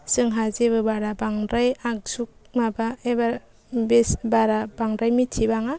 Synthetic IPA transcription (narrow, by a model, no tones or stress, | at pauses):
sɯŋɦazebɯbaɾabaŋɾajak̚suk̚mabaeba | besbaɾabaŋɾajmitʰibaŋa